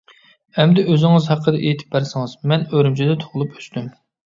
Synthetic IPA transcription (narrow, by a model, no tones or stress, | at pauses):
ɛmd̪ɛøzɪŋɨzhɑqʰːəd̪ɛʔejt̪ʰɪ̥p̚bæɾsɪŋɨzmɛnøɾymt͡ʃʰid̪ɛt̪ʰoʁlˠupø̥st̪ym